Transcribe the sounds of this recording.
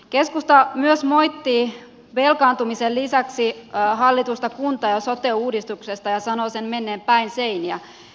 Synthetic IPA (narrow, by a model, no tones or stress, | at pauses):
keskust̪ɑmyøsmo̞jt̪ːi | ʋe̞lkɑːnt̪umisellisæksiɦɑlːit̪ust̪ɑkunt̪ɑjɑsot̪euːdist̪uksest̪ɑjɑsɑnoːsenmenːeːmpæinseiniæ